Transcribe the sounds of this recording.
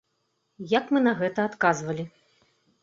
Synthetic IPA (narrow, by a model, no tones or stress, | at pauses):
jɐkmɨnɐɣɛt̪ɐːt̪kazvɐlʲi